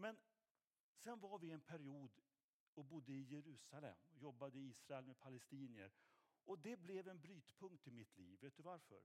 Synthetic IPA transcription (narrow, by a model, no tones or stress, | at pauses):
mɛn | sɛnvaɾvɪɛnpʰæɾɪuːd̪ | ɔbʊd̪ːəɪjɛɾʉ̟ːsalɛ̰mːɔjɔbːad̪əɪiːsɾaɛlmɛpʰalɛst̪iːnɪə̰ɾʔɔd̪ɛblɛvɛnbɾyːt̪pʰɵŋkt̪ɪmɪt̪ʰlḭːvːeːt̪̚d̪ɵvaɾfœ̰ɾ